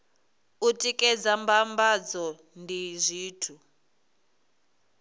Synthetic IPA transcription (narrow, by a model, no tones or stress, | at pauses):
utʼikʼɛd͡zambambad͡zɔ | ndizʷiːtʰu